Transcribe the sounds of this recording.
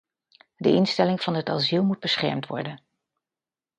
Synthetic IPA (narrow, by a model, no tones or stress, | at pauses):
dəʔɪnstɛlɪŋv̥ɑnɦətɑ̰zilˠmud̚bəsχɛ̰ɹmtʋɔ̰ɹdən